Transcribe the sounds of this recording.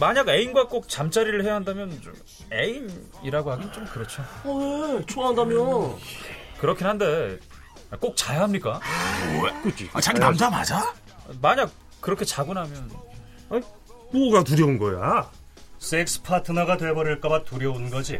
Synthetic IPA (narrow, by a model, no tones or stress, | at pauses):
maɲaɡe̞inɡwak͈ok̚t͡ɕamt͡ɕ͈aɾiɾɯɭhe̞jaɦandamjʌnt͡ɕo̰m | e̞in | iɾaɡohaɡint͡ɕomkɯɾʌt͡ɕʰoet͡ɕʰoɦandamjʌn | kɯɾʌkʰinɦande̞ | k͈ok̚t͡ɕajaɦamɲik͈a | kɯt͡ɕiat͡ɕaɡinamd͡ʑama̰d͡ʑa | maɲak̚ | k͈ːɯɾʌkʰe̞t͡ɕaɡunɦamjʌn | aɲi | poɡatuɾjʌunɡʌja̰ | s͈ek̚s͈ɯ̥pʰatʰɯnaɡatwe̞bʌɾɯɭk͈abatuɾjʌunnɡʌd͡ʑi